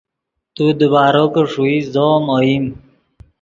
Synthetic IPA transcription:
t̪ud̪əbaːɾokəʂuizomoim

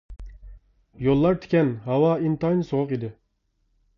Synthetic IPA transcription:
jolˠːɑɾt̪ʰɪ̥kʲɛnhɑwɑint̪ɑjnsoʁʊqid̪ɪ

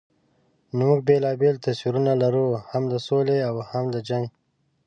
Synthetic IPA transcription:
nmuɡ̚belɑːbelt̪aswiɾunalaɾuhamd̪əsoleawhamd̪əd͡ʒaŋɡ

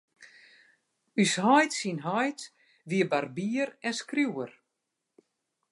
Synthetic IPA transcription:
yshɔjtsinɦɔjt | ʋiəbarbiərɛnskruwər

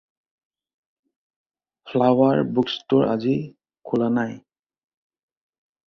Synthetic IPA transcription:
pʰlawaɹbukstɔɹʔa̰zi | kʰulanaj

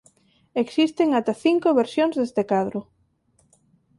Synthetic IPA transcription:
eksist̪eŋat̪aθiŋkoβeɾsjoŋzðest̪ekaðɾʊ

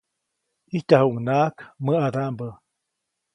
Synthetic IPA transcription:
hiht̪aɦuuŋnaːkməad̪ambə

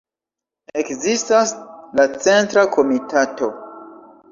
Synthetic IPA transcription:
e̞kzistaslat͡se̞ntɾakʰo̞mitato̞

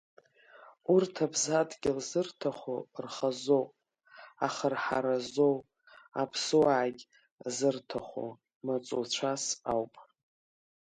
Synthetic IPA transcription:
urtʰabzadɡʲɪlzɨrtʰaχʷo̰rχazopʼ | a̰χarħa̰ɾazow | a̰pʰsɨwaʕkʲ | zɨrtʰaχʷo̰ | mat͡sʷʼot͡ɕʷʰasawpʼ

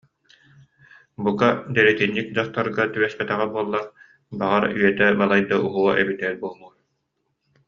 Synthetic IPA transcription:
bukad̪ɛɾɛt̪inːik̚d͡ʑaχt̪aɾɡat̪yβɛspɛt̪ɛʁɛbuɔlˠːaɾ | baʁaɾyɛt̪ɛbalˠajd̪aʔuɦuɔʔɛbid̪ɛɾbuɔlˠmu

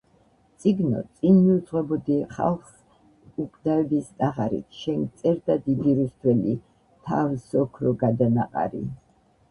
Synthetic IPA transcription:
t̪sʼiɡnɔ̰t̪sʼinmiud̪zʁɛbɔd̪iχa̰lˠχs | ukʼd̪aɛbist̪ʼaʁaɾḭt̪ʰʃɛnɡt̪sʼɛɾd̪ad̪id̪iɾusd̪wɛli | t̪ʰa̰vsɔkʰɾɔɡad̪anaqʼa̰ɾḭ

